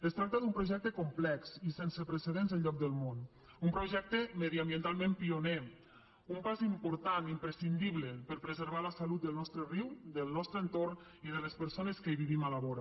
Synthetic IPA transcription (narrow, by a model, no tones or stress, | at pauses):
əst̪ɾak̚t̪əðumpɾoʒɛk̚t̪əkumplɛksisensəpɾəseðenzəlʎɔk̚d̪əlˠmon | umpɾoʒɛk̚t̪əməðiambjənt̪alˠmẽmpione | umpazimpuɾt̪animpɾəsind̪iβləpəɾpɾəzəɾβ̞aləsalut̪̚d̪əlˠnɔst̪ɾəriwd̪əlˠnɔst̪ɾəːnt̪orn | iðələspəɾsoneskəβiβimalaβɔɾa